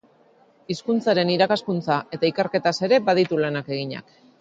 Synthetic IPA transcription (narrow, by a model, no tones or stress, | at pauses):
iskunt͡saɾe̞niɾakaskunt͡saʔe̞t̪aikeɾke̞t̪ase̞ɾe̞baðit̪ulanake̞ɣ̞iɲa̰k